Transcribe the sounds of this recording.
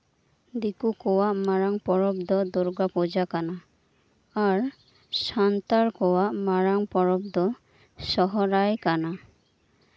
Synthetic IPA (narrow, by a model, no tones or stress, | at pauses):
d̪ikukɔwaʔmaɾaŋpɔɾɔbd̪ɔd̪ɔɾɡapɔd͡ʒakanaː | aɾ | sant̪aɾkɔwaʔmaɾaŋpɔɾɔb̚d̪ɔ | sɔɦɔɾajkana